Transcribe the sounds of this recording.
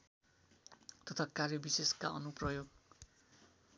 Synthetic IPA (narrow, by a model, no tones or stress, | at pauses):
t̪ʌt̪ʰakarjʌbiseskaʌnuprʌjoɡ̚